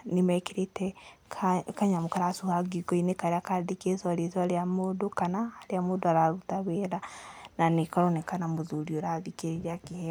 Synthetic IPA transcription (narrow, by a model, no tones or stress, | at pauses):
nemɛkeɾetɛkʰkaɲamokaɾasuhaɡiɡoinekaɾeakadekesɔɾesɔaɾeamoːdokanaːɾeamoːdoaɾaɾutaβeɾananekaɾɔnekanamoðuɾioɾaðikeɾeɾakihɛ